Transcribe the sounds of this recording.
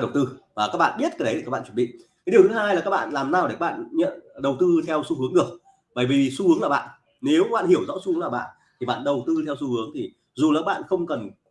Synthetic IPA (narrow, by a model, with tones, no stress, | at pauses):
ɗə˨˩wt̪ɨ˧vaː˨˩kaː˦˥k̚ɓa̰ː˧˨nɓi˥ət̚kaː˨˦jɗə˦jt̪i˨˩kaː˦˥ɓ̰aː˧˨wə˧˩ɓḭ˧˨ŋkaː˨˦ɗi˨˩ət̪ʰɨ˨˦haː˧jla˨˩kaː˦˥ɓa̰ː˧˨nlaː˨˩mnaː˧˩wɗe˧˩kaː˦˥ɓa̰ː˧˨nɲə̰˧˨nɗə˨˩wt̪ɨ˧t̪ʰɛ˧wsu˧hɨ˨˦əŋɗɨ˨˩ək̚ | ɓə̰ː˧˩jvi˨˩su˧hɨ˨˦əŋlaː˨˩ɓa̰ː˧˨nʔ | ne˨˦wɓaː˧˨nhi˧˩əwzɔ̰˧˥su˧˨˦ŋlaː˨˩ɓa̰ː˧˨n | t̪ʰi˨˩ɓa̰ː˧˨nɗə˨˩wt̪ɨ˧t̪ʰɛ˧wsu˧hɨ˨˦əŋt̪ʰi˨˩ | zu˨˩la˨˩kaː˦˥ɓa̰ː˧˨nxə˧wŋ͡mkə˨˩n